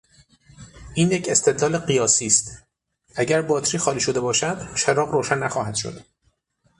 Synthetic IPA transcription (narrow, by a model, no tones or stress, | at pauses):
ʔiːnjecʰe̞st̪ʰe̞d̪lɒːle̞ɢijɒːsiːst̪ | ʔæɟæɾbɒːt̪ʰɾiːxɒːliːʃod̪e̞bɒːʃæd̪ʃeɾɒːɣɾoːʃænːæxɒːhæd̪̥ʃo̰d̪̥